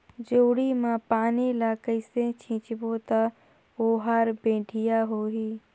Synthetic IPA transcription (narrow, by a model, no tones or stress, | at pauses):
d͡ʒoːɽimãpaːnilaːkəiset͡ʃʰĩːt͡ʃbot̪a | oːɦaːɾbẽːʈʰɪjaɦoːɦiː